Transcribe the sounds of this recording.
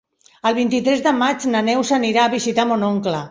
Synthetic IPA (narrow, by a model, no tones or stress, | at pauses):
əlˠβ̞int̪it̪ɾɛzðəmad͡ʒnənɛwsəniɾaːβizit̪amonoŋklə